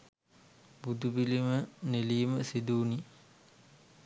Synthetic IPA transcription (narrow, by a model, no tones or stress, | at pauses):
bud̪ubiliməneliːməsid̪uːni